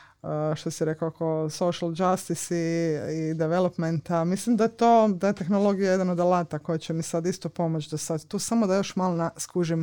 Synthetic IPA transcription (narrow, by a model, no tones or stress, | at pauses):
əʃt̪osiɾekakosoʃald͡ʒast̪isiid̪eʋelopment̪amislimd̪aet̪oːd̪ajet̪e̞xnolo̞ɡijaje̞d̪anod̪alˠat̪ako̞jet͡ɕemisad̪ist̪opo̞mot͡ʃd̪osad̪t̪uːsamod̪ajo̞ʃmalnaskuʒim